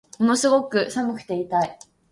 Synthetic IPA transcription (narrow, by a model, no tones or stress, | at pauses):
ono̞sɨɡo̞kɯ̟samɯ̟kɯ̟̥t̪e̞it̪ai